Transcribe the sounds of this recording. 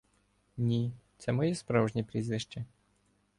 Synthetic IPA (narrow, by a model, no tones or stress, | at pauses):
nʲit̪sɛmɔjɛspɾawʒnʲipɾʲizʋʲiʃt͡ʃɛ